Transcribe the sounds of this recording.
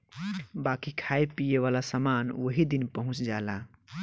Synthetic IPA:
bakikʰaepijeβalasəmanwəɦid̪inpəɦũt͡ʃd͡ʒala

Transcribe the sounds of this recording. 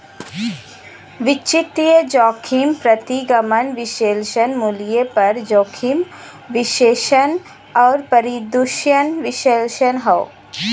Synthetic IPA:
ʋɪt͡ʃit̪ijəd͡ʒɔːkʰimpɾət̪iɡɐmənʋɪʃeːlʃənmulijepɐɾd͡ʒoːkʰim | ʋɪʃeːʃən | ɔːɾpɐɾid̪uʃjənʋɪʃelʃənɦoo

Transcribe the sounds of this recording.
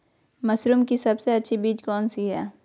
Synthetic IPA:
mɐsɾuːmkisɐbseɐtːʃʰibiːd͡ʒkɔːnsiɦɛː

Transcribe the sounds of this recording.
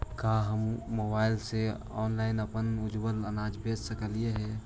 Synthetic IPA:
kaɦəmmobaɪlse | ɔ̰ːnlaɪnəpənʊd͡ʒbələnad͡ʒbed͡ʒsəkəlieɦɛ

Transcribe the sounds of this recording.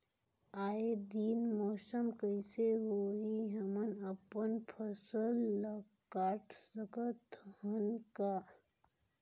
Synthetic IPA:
aːed̪iːnmɔːsəmkəɪseɦoːiɦɐmənəpənpʰəsəlːa | kaːɾʈʰsəkət̪hənka

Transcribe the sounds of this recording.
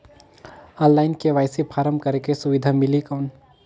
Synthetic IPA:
ə̃llːaːɪnkeʋaːjsipʰaːɾəmbkɐɾkesʊʋɪd̪ʱamɪlikɔːn

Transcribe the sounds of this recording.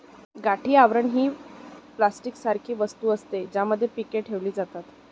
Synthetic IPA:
ɡaʈʰiːaʋɾəɳɦiːplasʈiksaɾkʰiːʋəst̪uːəst̪ed͡ʑjaməd̪ʱːjepikeʈʈʰeʋliːd͡zat̪at̪

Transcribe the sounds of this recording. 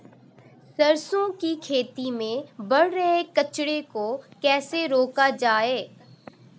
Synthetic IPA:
sɐɾsõkikʰeːt̪imẽbɐɽɾəɦekɐt͡ʃɽekokɛːseɾoːkad͡ʒaːeː

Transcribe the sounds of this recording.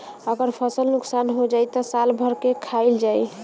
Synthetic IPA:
əɡəɾpʰəsəlnuksanɦod͡ʒajt̪ɔsalbʱəɾkekʰaɪld͡ʒaj

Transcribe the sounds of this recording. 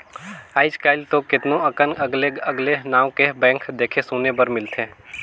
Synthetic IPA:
aːɪskaːɪlt̪okɪt̪nõɐkənɐɡleɐɡlenãːõkebɛ̃ːŋkd̪eːkʰesoːnebɐɾmɪlt̪ẽː

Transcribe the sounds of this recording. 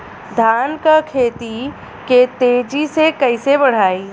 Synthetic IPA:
d̪ʱaːnkəkʰeːt̪i | ket̪eːd͡ʒisekɐisebɐɽ̤aːiː

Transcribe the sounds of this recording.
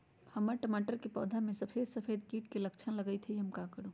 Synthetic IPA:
həmːəʈəmaːʈəɾkepɔ̰ːd̪ʱamẽsəpʰeːd̪səpʰeːd̪kiːʈkeləkt͡ʃʰənləɡəjt̪ʰeiɦəmkakəɾu

